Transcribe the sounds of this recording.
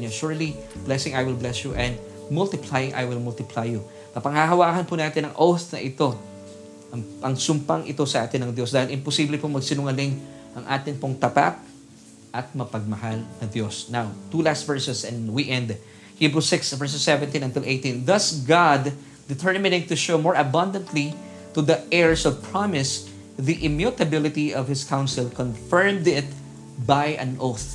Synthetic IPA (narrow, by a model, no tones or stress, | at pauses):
oʃʊɹliblɛsɪ̃ŋajwɪlblɛsjuʔɛ̃nd̪ | mʊlt̪ɪplajʔa̰jwɪlmʊlt̪ɪpʰlajːu | kɐpɐŋhaɦɐwaːkɐnpʊnaːt̪ɪnɐŋʔowst̪nɐʔɪt̪o̞ | ʔɐŋʔɐŋsʊmpaŋʔɪt̪o̞sɐʔaːt̪ɪnɐŋd̪jo̞sd̪aːhɪlʔɪnpʊsiːblɪpomɐɡsɪnʊŋɐlɪŋ | ʔɐŋʔaːt̪ɪnpoŋt̪ɐpa̰p̚ | ʔɐt̪̚mɐpɐɡ̚mɐhalnɐd̪jo̞snawt̪uːlast̪vɛɹsɛsɛ̃nwikɛ̃nd̪ | hibɹusɪksvɛɹs̬ɛsːɛvɛ̃nt̪ĩnɐ̃nt̪ɪlʔejt̪ĩnðɐsɡad̪ | d̪ɪt̪ʰɛɹmɪnɪ̃ŋt̪ʊʃomoɹɐbɐ̃nd̪ɐ̃nt̪li | t̪ud̪ɐʔɛɹsɔvpʰɹɑmɪs | ðiʔɪmjut̪ɐbɪlɪt̪iɔvhɪskʰãw̃nsɪlkɔ̃nfɛɹmd̪ɪt̪̚ | bajʔɐ̰̃nʔoθ